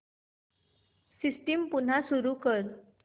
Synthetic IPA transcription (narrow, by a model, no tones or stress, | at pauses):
sisʈimpun̤asuɾukəɾ